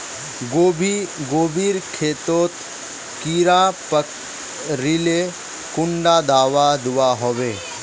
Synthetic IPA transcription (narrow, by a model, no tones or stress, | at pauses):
bɡoːbiːɾkʰeːt̪oːt̪ | kiːɾãpək | ɾile | kʊ̃ɳɖad̪aːʋad̪ʊaɦoʋeː